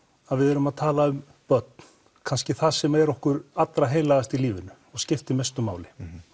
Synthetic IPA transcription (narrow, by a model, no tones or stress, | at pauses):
aðvɪðɛɾʏmaðt̪ʰaːlaʏm | pœt̪̚n̥ | kʰanscɪθasɛmaɛɾɔhkʏɾat̪lɾaɦeːjlaɣðast̪iliːvɪnʏ | ɔɣscɪft̪ɪmest̪ʏma̰ːwlɪ